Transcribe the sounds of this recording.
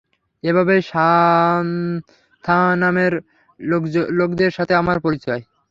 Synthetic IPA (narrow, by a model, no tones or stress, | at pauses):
ebʱabeʃa | t̪ʰanameɾ | lokd̪eɾʃat̪ʰeamaɾpoɾit͡ɕɔe